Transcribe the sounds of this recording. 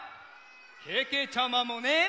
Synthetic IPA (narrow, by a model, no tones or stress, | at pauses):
kʰeket͡ʃʰamãmõne